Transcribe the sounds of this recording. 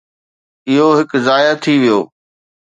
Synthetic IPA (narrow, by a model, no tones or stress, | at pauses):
ɪɦoɦɪkzaːjat̪ʰiʋijoː